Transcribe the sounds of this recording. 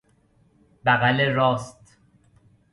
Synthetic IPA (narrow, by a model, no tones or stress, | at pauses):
bæɣæleɾɒːst̪